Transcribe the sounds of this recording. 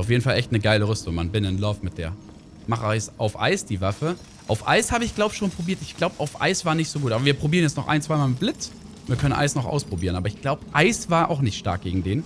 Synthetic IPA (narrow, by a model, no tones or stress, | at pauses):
ʊfjeːdn̩falʔɛçtnəɡaɪləʁʏstʊŋmanbɪnɪnlɔɐfmɪt̚d̥ḛːɐ | maχʔaɪsʔaʊfʔa̰ɪsd̥iːvafə | ʔaʊfʔa̰ɪshaːbəɪçɡ̥laʊbə̥ʃoːnpʁ̥obiːɐtɪçɡ̥laʊbəʔaʊfʔa̰ɪsv̥aːɐnɪçtz̥oːɡuːtabɐviːɐpʁ̥obiːʁənjɛt͡snɔχʔa̰ɪnt͡sv̥aɪmaːlɪblɪt | viːɐkʰœnənʔa̰ɪsnɔχʔa̰ʊspʁ̥obiːʁənʔaːbɐɪçɡ̥laʊbəʔaɪsv̥aːɐʔa̰ʊxnɪçtʃta̰ɐk̚ɡ̥eːɡŋ̩deːn